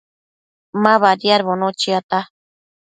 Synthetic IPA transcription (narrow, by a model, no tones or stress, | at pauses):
mãβaɾjaɾβonot͡ʃiat̪a